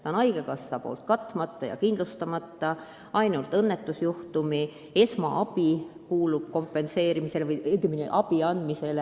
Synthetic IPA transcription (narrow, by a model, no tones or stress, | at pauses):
t̪ɑnɑjɡ̥ekɑsːɑpo̞̰ːlt̪̚kɑt̪ˑːmɑt̪ˑːɑjɑ̰kind̪lust̪ɑmɑt̪ˑːɑ | ɑjnult̪ˑɤnːe̞t̪ːˑusjuht̪umi | e̞smɑʔɑb̥ikuːlub̥̚ko̞mpːˑe̞nse̞ːɾimise̞levɯjeɡiminḛʔɑb̥iɑnd̪mise̞le